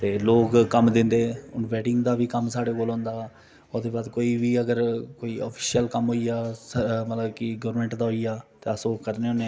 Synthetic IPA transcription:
t̪eːloːkkəmd̪ɪ̃nd̪eːʊnʋɛːʈɪŋɡd̪aːʋiːkəmsaːɽeːkoːlõːnd̪aː | ʊd̪eːbaːd̪koːiːʋiːəɡəɾkoːiːɔːpʰi̥ːʃijəlkəmɦoːiaːəmət̪ləbkɪɡoːəɾmẽːɳʈd̪aːɦoːiaːt̪eːəsoːkəɾneːʊːnẽː

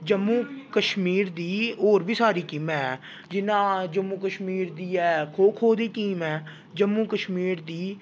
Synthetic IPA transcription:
d͡ʒəmːuːkəʃmiːɾd̪iːoːɾbiːsaːɾiːkɪmɛːɛː | d͡ʒɪnãːd͡ʒəmːuːkəʃmiːɾd̪iːɛːkʰoːkʰɦoːd̪iːʈiːmɛː | d͡ʒəmːuːkəʃmiːɾd̪iː

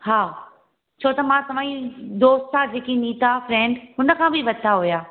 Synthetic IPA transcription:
ɦaː | t͡ɕʰoːt̪ɐmãsɐʋãːĩd̪oːst̪ad͡ʑeːkiniːt̪afɾɛ̃ːɳɖɦʊnə̆kʰãbʱiʋɐd̪t̪aɦojaː

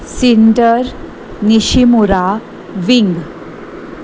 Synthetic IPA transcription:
siɳʈəɾ | niɕimuɾa | ʋiŋɡ

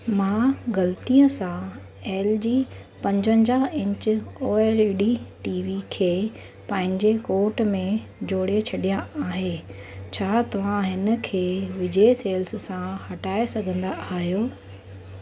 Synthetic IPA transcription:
mãːɣɐlt̪iə̃sã | eːld͡ʑiː | pɐ̃ɲd͡ʑə̃ɲd͡ʑaɦɪ̃ɲt͡ɕoːeːliɖiʈiːʋikʰeː | pɐ̃ɦɪ̃ɲd͡ʑekoːɾʈmẽd͡ʑoːɽet͡ɕʰɐɗijãaːɦeː | t͡ɕʰaːt̪ɐʋ̤ãɦɪnə̆kʰeːʋɪd͡ʑeseːlssãhɐʈaːesɐɡʱə̃nd̪aʔaːɦijoː

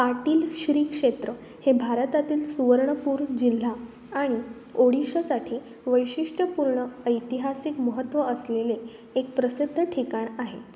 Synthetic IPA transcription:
paʈiːlɕɾiːkʂet̪ɾə | hebʱaɾət̪at̪iːlsuʋəɾɳəpuːɾd͡ʑil̤ːa | aɽ̃i | oɽ̤iɕəsaʈʰiː | ʋəjɕiʂʈəpuɾɳəəjt̪iɦasikməɦət̪ːʋəəsleleː | k̚pɾəsid̪ʱːəʈʰikaɳaɦe

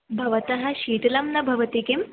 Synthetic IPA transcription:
bʱɐʋɐt̪ɐɦɐ̆ʃiːt̪ilɐmnɐbʱɐʋɐt̪ikim

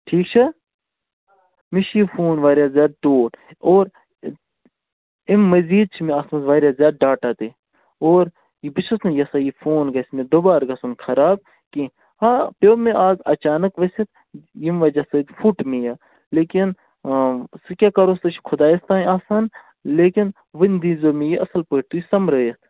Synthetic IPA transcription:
ʈʰiːk̚t͡ʃʰɐ | miʃʰifoːnʋaːɾjazjaːd̪̚ɖoːʈ | oːɾ | imːɐziːd̪̚t͡ʃʰimẽaːsmɐzʋaːɾʲjazʲjaːd̪̚ɖaːʈaːt̪e | oːɾ | jibit͡ʃʰɐsnɐjɐsajifoːnɡɐsmẽd̪obaːɾɡasunkʰɐɾaːb̚ | ki | aːpoːmẽʔaːzɐt͡ʃaːnɐkʋɐsʲet̪̚ | jimʋɐd͡ʒasɐd̪fuʈmẽjaː | leːkin | sɨkʲaːkɐɾoːst̪ɐt͡ʃʰkʰʊd̪aːjest̪aːnaːsaːn | leːkin | ʋɐnʲd̪inzoːmẽjiʔɐsɐlpəːʈt̪uisɐmɾɐːjest̪

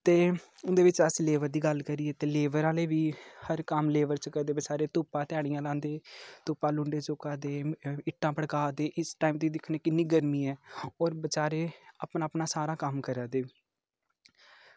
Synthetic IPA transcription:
t̪eː | ʊnd̪eːʋɪt͡ʃəsleːʋəɾd̪iːɡəlkəɾiːeːt̪eːleːʋəɾãːleːʋiːhəɾkəmleːʋəɾt͡ʃəkəɾd̪eːbət͡ʃaːɾeːt̪uːpãːt̪aːɽ̃ɪjãːlãːnd̪eːt̪uːpãːlʊɳɖeːt͡ʃoːkaːd̪eːɪʈːãːpəɽkaːd̪eːʔɪsʈaːiːmt̪iːd̪ɪkʰneːkɪnːiːɡəɾmiːɛːɔːɾbət͡ʃaːɾeːapnaːpnaːsaːɾaːkəmkəɾaːd̪eː

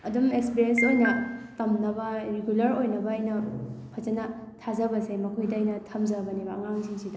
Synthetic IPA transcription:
ɐdumekspiɾiensojnɐtɐmnɐbɐɾeɡulɐɾojnɐbɐːjnɐpʰɐzɐnɐtʰazɐbɐsemɐkʰojdɐːjnɐtʰɐmzɐbɐnibaɐŋaŋsiŋsidɐ

